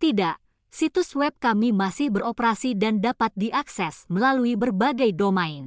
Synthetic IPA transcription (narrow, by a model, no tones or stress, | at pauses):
t̪idaʔ | sit̪uswɛb̚kamimasɪhbəɾopəɾasidandapat̪̚diʔaksɛsməlaluibərbaɡajdomaɪn